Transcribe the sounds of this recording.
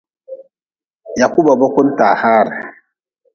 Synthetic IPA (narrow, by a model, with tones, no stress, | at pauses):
ja˨ku˦ba˨ba˦kʷʊ˦n˦ta˨ha˦˨ɾ